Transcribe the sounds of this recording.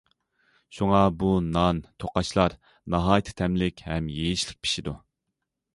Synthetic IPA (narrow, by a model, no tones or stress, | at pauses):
ʃuŋɑbunɑnt̪ʰoqɑʃlˠɑɾ | nɑɦɑːjt̪ʰɪ̥t̪ʰɛmlɪkʲhɛmjejiʃlɪk̚ʲpʰi̥ʃid̪u